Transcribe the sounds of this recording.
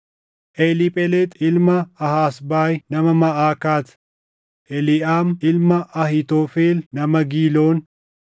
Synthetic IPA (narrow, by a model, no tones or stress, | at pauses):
ʔɛlɪpʼɛlet̪ɪlmɐɐɦaːsbaːjnɐmɐmɐʔaːkaːt̪ | ʔɛlɪʔaːmɪlmɐʔɐhɪt̪oːfeːlnɐmɐɡiːloːn